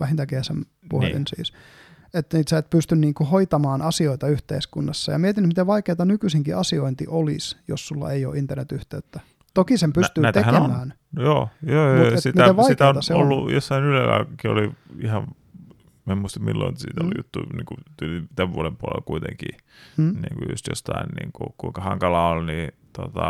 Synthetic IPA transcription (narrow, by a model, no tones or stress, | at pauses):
ʋæhint̪ækeæsem | puhḛlḭnsḭːs | et̪ːniːt̪seːt̪̚pyst̪ynniːŋkuhoit̪ɑmɑːnɑsioit̪ɑyht̪eiskunːɑsːɑ̰jɑmiet̪inːyt̪mit̪eʋɑikeːt̪ɑnykysiŋkiɑsioint̪iʔolisjossulːɑ̰eio̰ːʔint̪ːernet̪yht̪eːt̪ːæ | t̪okisempynt̪yːæt̪eemmæːn | joːjoːomuesitmæeʋɑiit̪æonɑseolːujosːɑinylelːɑ̰kɑkio̰liihɑʋ | mæmuist̪ɑmmilːo̰insḭːt̪olijṵt̪ːuiniːŋkut̪ylit̪æʋʋuoɾempuolḛlkuit̪eŋkḭː | nḭːŋkujṵst̪jo̰st̪ɑinnḭːŋkukuiŋkɑhɑŋkɑlɑːolnit̪ot̪ɑ